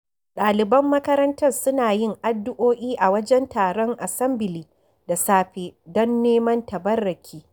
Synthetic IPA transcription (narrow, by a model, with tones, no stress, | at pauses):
ɗaː˨lɪ˨bɐ˦mːɐ˦kɐ˦ɾɐ˦ntɐ˦rsʊ˦naː˨jɪ˦ŋʔa˨dːʊ˦ʔoː˦ʔʲiː˦ʔa˨wɐ˦d͡ʒɛ˦ntaː˨ɾɔ˦ŋʔa˨sɐ˦mbɪ˨liː˨ | da˨saː˦ɸe˦dɔ˦nːeː˦mɐ˦ntɐ˨bɐ˦rːɐ˨kʲʰiː˦